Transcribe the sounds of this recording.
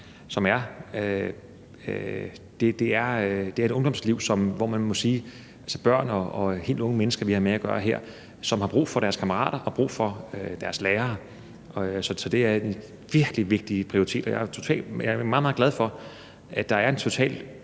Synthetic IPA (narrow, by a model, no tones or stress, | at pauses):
sɒ̽mæɐø | ø | d̥e̝d̥e̝æɐd̥e̝æɐeɾɔ̽ŋd̥ɒ̽msliʊ̰sɒ̽mʋɒmænmɔ̽siː | ælsəb̥ɶɐ̰nɒɒhe̝̰ld̥ɔ̽ŋəmenəsɡ̥ɐʋihɑ̈meæɡ̥ɶːɐɦeɐ̰ | sɒ̽mhɑ̈b̥ʁṵːfɒ̽ɾ̥æɐskʰæmɐʁɑ̰̈ːɾ̥ɐʔɒ̽b̥ʁṵːfɒ̽ød̥æɐsleːɐː | sɒ̽sɒ̽d̥e̝æɐe | ʋiɐɡ̥liʋe̝ɡ̥̚d̥ipʰʁioʁit͡sʰe̝̰ːd̥ɒjɑ̈ɐt͡sʰo̝t͡sʰɛ̰ːlɑ̈æmɑ̈ðˠmɑ̈ðˠɡlæð̞ˠfɒ̽ | ʔæd̥ɑ̈æɐe̝nt͡sʰo̝t͡sʰɛ̰ːl